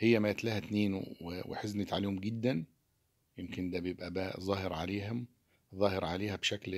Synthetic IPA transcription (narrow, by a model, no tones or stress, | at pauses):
hejːæmæt̪læːhæt̪neːn̰wewḛħeznet̪ʕaliːhomɡɪd̪ːæn | jemkɪnd̪æbejebʔæbæːzˤɑːheɾʕaleːɦom | zˤɑːheɾʕaleːhæbʃækl